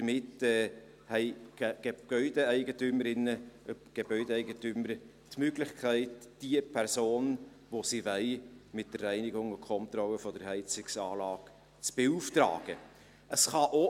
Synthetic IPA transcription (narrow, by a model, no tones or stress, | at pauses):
d̥əmɪtɛː | hɛɪ̥ɡ̥ɛɡ̥œʏdəæɪɡətʏməɾɪnːəɡ̥ebœʏdɛæɪɡətʏməɾ | tmøɡlɪχkʰæɪtd̥iəpʰæɾsoːn | ʋosivɛɪmɪt̚d̥ərːæɪnɪɡʊŋʊkʰɔnt̪ɾɔlːəfɔd̥əɾhɛɪt͡sɪksɑːlɑːɡ̥ | t͡sb̥euːftrɑ̰ːɡ̥ə | ʔəsχɑʔo